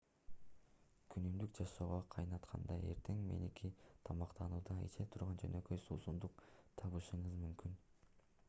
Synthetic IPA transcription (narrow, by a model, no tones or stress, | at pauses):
kʰynymd̪ykd͡ʒɑʃoːʁoqʰɑjnɑt̪qʰɑ̰nd̪ɑe̞̰ɾt̪ʰe̞ŋme̞̰nikʲʰit̪ʰɑmɑqt̪ɑnuːd̪ɑḭt͡ʃe̞t̪ʰuɾʁɑnd͡ʒø̞̰nø̞køjsuːsund̪uqt̪ʰɑβɯʃɯɴɯzmymkyn